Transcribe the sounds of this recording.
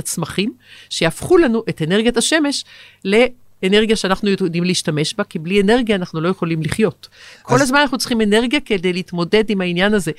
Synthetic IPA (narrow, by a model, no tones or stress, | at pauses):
at͡smaχimʃejafχulanuʔeteneʁɡijataʃe̞me̞ʃ | le̞ | ene̞ʁɡijaʃeanaχnujod̪imliːʃtame̞ʃbakibliene̞ʁɡjaːnaχnulo̞je̞χo̞limliχjo̞tkko̞lazzmanaχnut͡si̥χime̞ne̞ʁɡijake̞d̪ejliːtmo̞de̞dimhainjanaze̞